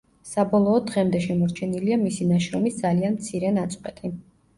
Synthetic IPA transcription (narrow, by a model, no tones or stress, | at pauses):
sabɔlˠɔːd̪ʁɛmd̪ɛʃɛmɔɾt͡ʃʰɛniliamisinaʃɾɔmisd̪zalianmt̪sʰiɾɛnat̪sʼqʼwɛt̪ʼi